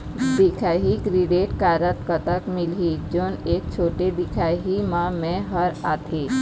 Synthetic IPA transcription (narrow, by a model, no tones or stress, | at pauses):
d̪ɪkʰaːɦikɾɪɖeːʈkaːɾət̪kət̪əkmɪlɦid͡ʒoːneːk̚t͡ʃʰoːʈed̪ɪkʰaːɦimãmẽɦɐɾaːt̪ʰeː